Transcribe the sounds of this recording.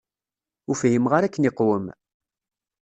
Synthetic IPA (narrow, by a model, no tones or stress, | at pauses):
ʊfɦimʁaɾækːənɪqːwəm